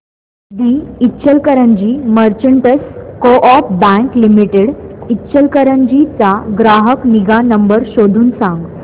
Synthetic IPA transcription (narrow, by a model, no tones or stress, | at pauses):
mĩiɕəlkəɾə̃ɲd͡ʑiːməɾt͡ɕəɳʈəskoʔɔpbɛ̃ŋklimiʈeɽitːɕəlkəɾə̃ɲd͡ʑit͡saɡɾaɦəkniɡanəmbəɾɕod̪ʱuːnsãŋɡ